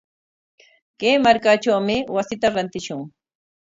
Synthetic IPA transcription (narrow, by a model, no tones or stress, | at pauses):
keːmaɾkaʈ͡ʂawmɪwasɪt̪aɾant̪ɪʃʊŋ